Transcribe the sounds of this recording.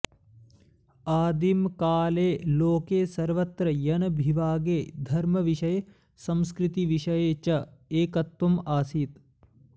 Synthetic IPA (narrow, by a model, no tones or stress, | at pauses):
aːd̪imkaːleːloːkeːsɐɾʋɐt̪ɾɐjɐnɐbʱiʋaːɡeːd̪ʱɐɾmɐʋiʂɐje | sɐ̃mskɾit̪iʋiʂɐjeːt͡ʃɐeːkɐt̪ːumaːsiːt̪